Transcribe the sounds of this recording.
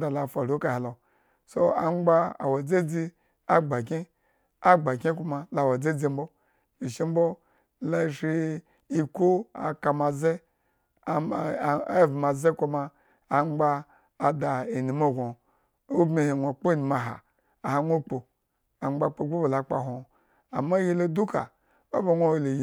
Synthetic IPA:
da˨la˨fa˨ɾo˦ka˨he˨lo˨ | so˦a̰˨ŋ͡mɡ͡ba˦a̰˨wo˨d͡ze˦d͡zi˦ | a˦ɡ͡ba˨kʲe˦ | a˦ɡ͡ba˨kʲe˦ku˦ma˨la˨wa˨d͡ze˦d͡zi˦m̩˦bo˦ | i˨ʃi˦m̩˦bo˦ | la˦˨ʃi˦ | i˦ko˦a̰˨ka˨ma˨ze˦˨˦ | vi˨ma˨ze˦ko˦maː˧˨ | ŋ͡mɡ͡baː˦˨ | da˨e˨ni˨mo˦˨ɡʷo˨ | o˦bme˨he˨ŋʷo˨k͡po˦˨ni˨ma˨ɦa̰˨ | a˨ha˨ŋʷo˦k͡po˨ | a˨ŋ͡mɡ͡ba˦k͡po˨˦ɡ͡bo˦bo˨la˨k͡pa̰˨ɦo˨ | a̰˨ma˦ji˦lo˦du˦ka̰˨ | o̰˦ba˨ŋʷo˦wlo˨j

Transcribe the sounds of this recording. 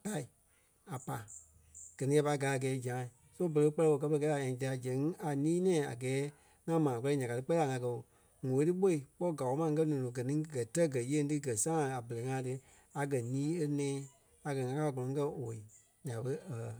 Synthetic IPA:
ka˦˨i˨ | a˨pa˨ | ɡ̥ɜ˨nĩ˦a˧pa˧˦ɡa˨˦˨ɡɛː˨˦d͡ʒã˨˦˨ | so˦bə˧˨ə˧˦k͡pɜ˦lɛ˧wo˧˨k̬ɜ˧pə˧kɛ˦la˨ɛ̃˨d͡ʒa˧a˧˨d͡ʒɛ̃˨˦ŋ˦a˨nĩː˦nɛ̃ː˦˨a̰˨ɡɛː˨˦ | ŋã˧mãː˨k͡pɜ˧˦i˦ɲã˨ka˨tɨ˧k͡pɜ˦la˨ŋã˧kɜ˧o˨ | ŋõ˨˦tɨ˦ɓo˦i˨k͡pɔ˦˨ɡa˨wo˨˦mã˦˧˦k̬ɜ˦nɔ̃ː˨õ˨ɡɜ˨nĩ˨˦ɡɜ˨tɜ˦ɡɜ˨˦je˦tɨ˦ɡɜ˨sãː˦a˨bə˨ə˨˦ŋã˧˦˨tɨ˧ | a˨ɡɜ˨nĩː˦e˧nɛ̃ː˨˦ | a˨ɡɜ˧˨˦ŋã˧˦kaː˦ɡɔ̃˨ɔ̃˨ŋ˦kɜ˦oː˨i˨ | ɲã˨ɓə˦ə˨

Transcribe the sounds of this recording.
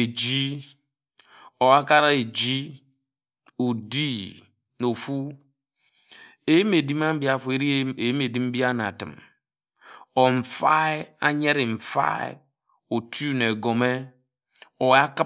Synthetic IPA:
e˨d͡ʒi˦ | o˨a˦ka˦ɾa˦e˨d͡ʒi˦ | o˨di˦ | no˨fu˦ | e˨je˦me˨di˦m˦a˦m̩˦bi˦a˨fu˨e˨ɾi˦e˨je˦me˨di˦mm̩˦bi˦a˦na̰˨tɨ̰˨m | ɔ˨ɱ̩˨fa˦a̰˦ɲe˦ɾi˨m̩˨fa̰˦ḛ˨ | o˨tu˦ne˨ɡo˨me˦ | o˨˦a˦kɨ˦

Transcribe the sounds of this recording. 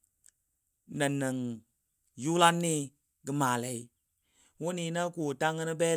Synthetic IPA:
nə̃˨nə̃˨ŋ | ju˦la˦nːĩ˦ | ɡɨ˧mãː˨lɛ˨˦i˦ | wo˦ni˨˦nã˦ku˨ta˦ŋːə˦nɨ˦bɛː˦

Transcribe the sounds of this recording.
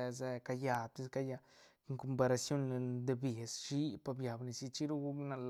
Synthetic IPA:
e˧ze˧ka˧ja˧t̪e˦ska˧ja˧ | ŋko˧mpa˧ɾa˧sjo˦n˧d̪e˧be˨sʃi˦pa˧bja˨bni˧si˧t͡ʃi˦ɾu˦ɡu˦na˧l

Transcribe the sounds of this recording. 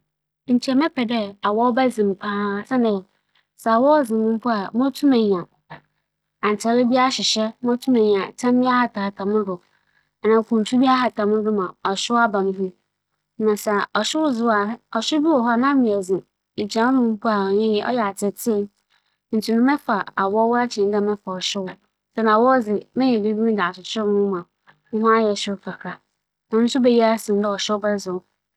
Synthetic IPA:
n̩˨t͡ɕʰi˨ɛ˨mɛ˦pʰɛ˨dɛ˦a˨wɔ˦ɔ˦ba˦zĩ˨m̩˨pʰãː˦sa˦nɛ̃˨ | sa˨wɔ˦zɪ̃˨mʊ̃˦m˦pʰʊ˦a˨mʊ̃˦tʰũ˦mɛ̃˨ɲ˨ã˨ | ã˨n˨tʰɛ˨lɪ˦bi˦a˦ɕɪ˨ɕɛ˦mʊ̃˦tʰũ˦mɛ̃˨ɲ˨ã˨tʰã˦m˦ĩ˦a˦ha˨tʰa˨a˨tʰã˨mʊ̃˦dʊ˨ | a˨nã˨kʰũ˨n̩˨tʰu˦bi˦a˦ɦa˨tʰã˨mʊ̃˦dʊ˦mã˨ɔ˨ɕɪ˦wa˦bã˨nʊ̃˦ɦũ˦ | nã˨sa˨ɔ˨ɕᶣɪ˦wʊ˦zɪ˦wa˨˦ɔ˨ɕɪ˦bi˦wɔ˨ɦɔ˦a˨nã˦mɪ̃˨ɛ˨zĩ˨ | i˨t͡ɕʰã˨˦mʊ̃˨mu˦ku˦a˨ɔ˨ɲɛ̃˦jɛ˨ʔɔ̰˦jɛ˨a˨tʰɪ˨tʰɪ˦ | n̩˨tʰu˨nʊ̃˦mɛ̃˦fa˨a˨wɔ˦wa˦t͡ɕʰɪ̃˨n˦ã˦mɛ̃˦fa˨ɔ˨ɕɪ˦wʊ˨˦ | sɛ˦nã˨wɔ˦d͡zɪ˨mɪ̃˦ɲɛ̃˨di˦bi˦mĩ˦da˨a˨t͡ɕʰɪ˨t͡ɕʰɪ˦ɪ˦m˦ʊ̃˦mã˨ | n̩˦ɦʊ̃˦a˦jɛ˨ɕɪ˦kʰa˨kʰɾa˨ | nã˨˦n̩˦sʊ˦be˨ji˦a˦sɪ̃˨m˦dɛ˦ɔ˨ɕᶣɪ˦bɛ˦zʊ˨˦

